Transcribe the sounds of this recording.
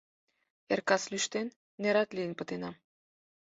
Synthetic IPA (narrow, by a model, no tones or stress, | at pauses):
erkɑslyʃt̪enː | eɾɑt̪lʲijənpə̆t̪enɑ